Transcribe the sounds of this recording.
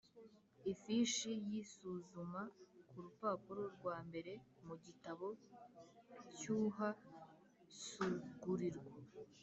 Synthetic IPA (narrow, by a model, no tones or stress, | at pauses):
ifiʃijisuzumakuɾupaːpuɾoɾɡwaːmbe̞ɾe̞muɟitaβo̞ | cuːɦa | suɡuɾiɾɡa